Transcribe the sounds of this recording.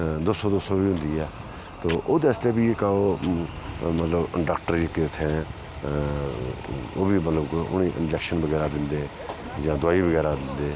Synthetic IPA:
d̪oːsoːd̪oːsobiːɦʊ̃nd̪iːɛː | t̪oːʔoːd̪eːst̪eːbiːekaoː | mət̪ləbɖaːk̚ʈəɾd͡ʒket̪ʰɛ̃ː | oːbʱiːmət̪ləbkʊ̰niːʔɪ̰̃nd͡ʒɛːkʃənbəɡɛːɾaːd̪ɪ̃nd̪eː | jãːd̪ʊaːiːbəɡɛːɾaːd̪ɪnd̪eː

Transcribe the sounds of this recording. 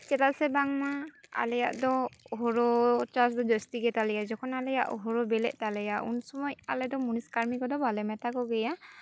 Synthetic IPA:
t͡ʃɛtasɛbaŋmaa̰lɛja̰ʔdɔɔɦɔɹɔt͡ʃas̬dɔd͡ʒɔstiɡɛtalɛjazɔkʰɔnalɛjaʔɔɦɔɹɔbɛlɛ̰ʔ̚ˀtalɛjaṵnsɔmɔja̰lɛdɔmuniskaɹmikɔdɔbʱalɛmɛtakɔɡɛja

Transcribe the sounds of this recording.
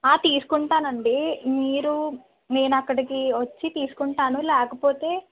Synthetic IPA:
aːt̪iːsu̥kuɳʈaːnɐɳɖimiːɾu | ne̞ːnɐkːɐɽikiʋɐt͡ʃːit̪iːsu̥kuɳʈaːnulɛːkɐpo̞ːt̪e̞ː

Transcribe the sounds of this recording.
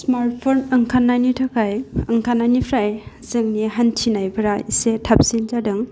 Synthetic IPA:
smaɾt̚pʰonɐŋkʰanːajnitʰakʰajɐŋkʰananipʰɾajzɯŋniɦantʰinajbʰɯɾaisetʰap̚sind͡ʒadɯŋ

